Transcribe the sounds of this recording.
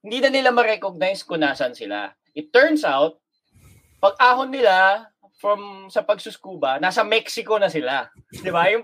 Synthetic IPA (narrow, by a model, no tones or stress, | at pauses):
hɪnd̪iːnɐnɪlamɐɾɛkoɡ̚najskʊnaːsɐnsɪla̰ | ʔɪt̪ːɛɹnsawt̪̚ | pɐɡ̚ʔaːhonːɪla | fɹɐmsɐpɐɡ̚sʊskuːbɐnaːsɐmɛksɪko̞nɐsɪla | d̪ɪbajʊŋ